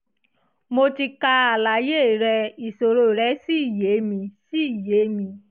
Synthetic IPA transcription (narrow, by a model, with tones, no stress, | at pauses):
mo˧ti˧ka˧a˨la˨˦je˦˨ɾɛ˧i˨so˨ɾo˦˨ɾɛ˨˦si˦i˦˨je˨˦mĩ˧si˦i˦˨je˨˦mĩ˧